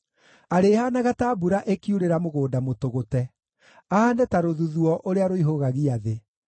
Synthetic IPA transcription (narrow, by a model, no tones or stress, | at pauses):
aɾeːhanaɣatabuɾaʔekiuɾeɾamoɣoːdamotoɣotɛ | aandɛtaɾoðuðuɔʔoɾeaɾoiɦoɣaɣiaðe